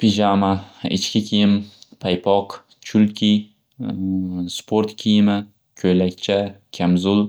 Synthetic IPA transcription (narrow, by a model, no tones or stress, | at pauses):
pʰiʒamaɪ̰t͡ʃkʲɪkʲʰijɪmpʰajpʰɒq | t͡ʃʰʊlkʲʰi | spʰoɾt̪kʲʰijɪmɪ | kʲʰɵjlakʲt͡ʃʰakʲʰamzʊl